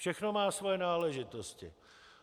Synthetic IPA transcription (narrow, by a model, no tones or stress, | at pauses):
ʃɛxno̞maːsvojɛnaːlɛʒɪt̪oscɪ̰